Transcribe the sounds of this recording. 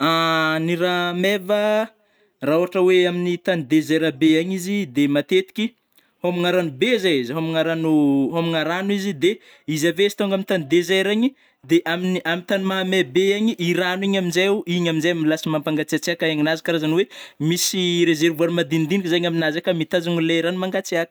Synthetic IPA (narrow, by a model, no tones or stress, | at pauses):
aniɾamevə | rauaʈ͡ʂəweaminit̪anid̪ezeɾabeaɲizid̪emat̪et̪i̥kʲi | homiŋaɾanubezejzɦomiŋaɾanuɦomiŋaɾanuizid̪e | izavesi̥t̪oŋɡaminit̪anid̪ezeɾaɲi | d̪eʔaminiamit̪anumamebeaɲiʔiɾaniɲaminzeuiɲaminzejmilasimampaŋɡat͡siat͡siakaeɲinazi̥kaɾazanwemisiɾezeɾvuanmad̪ind̪inikʲizaɲaminazakamit̪azaŋuleɾanumaŋɡat͡seakə̥